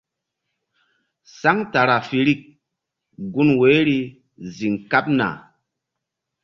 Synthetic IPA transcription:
sa˦ŋta˨ɾa˨fi˨ɾi˦k̚ | ɡu˦nwe˨˦ɾi˦ | zi˨ŋka˦p̚na̰˨

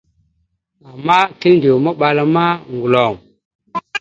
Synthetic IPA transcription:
a˨mːa˦ti˦lndi˨wma˦ɓa˨la˨ma˦ŋɡu˨lo˨ŋ

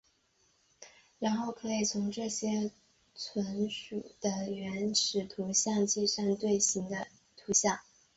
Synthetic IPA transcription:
ɻa˧˥nxo˥˩ʊkʰɤ˧˥i˨˩t͡sʰʊ˧˥ŋʈ͡ʂɤ˥˩ɕjɛ˥ | t͡sʰwə˧˥nʂu˨˩d̪̥ə˦ɥɛ˧˥nʂʰɻ̩˨˩t̪ʰu˧˥ɕjɑ˥˧ŋt͡ɕi˥˧ʂa˥˧ŋt̪we˥˩ɪɕi˧˥ŋd̪ə˧ | t̪ʰu˧˥ɕjɑ˥˩ŋ

